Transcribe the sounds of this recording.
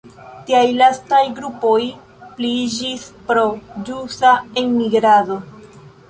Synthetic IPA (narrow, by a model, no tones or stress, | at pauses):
tiajlastajɡɾupo̞j | plid͡ʒispɾo̞d͡ʒusaenmiɡɾado